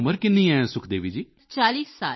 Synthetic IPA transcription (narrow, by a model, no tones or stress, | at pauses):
məɾkɪnːĩːɛ̃ːsʊkʰd̪eːʋiːd͡ʒiː | t͡ʃaːliːsːa̰ː